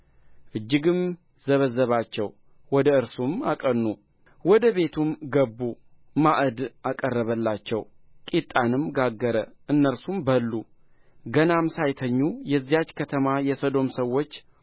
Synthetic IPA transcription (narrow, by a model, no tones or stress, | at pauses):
ʔɨd͡ʒːɪɡɨm | zəβəzːəβat͡ʃːɛw | wɔd̪əɨɾsumakʼənːu | wɔd̪əβe̞t̪ʰumɡəbːu | maʔəd̪ʔakʼərːəβəlːat͡ʃːɛw | kʼit̪ʼːanɨmɡaɡːəɾəʔɨnːəɾsumbəlːu | ɡənamsajt̪ʰəɲːujɛzːijat͡ʃːkʰət̪ʰəmajɛsod̪o̞msəwːo̞t͡ʃː